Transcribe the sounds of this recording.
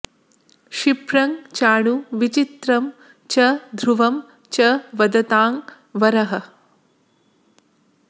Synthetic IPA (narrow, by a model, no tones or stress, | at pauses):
ʃipɾɐŋt͡ʃaːɳuʋit͡ʃit̪ɾɐm | t͡ʃɐd̪ʱɾuʋɐm | t͡ʃɐʋɐd̪ɐt̪aːŋ | ʋɐɾɐɦɐ̆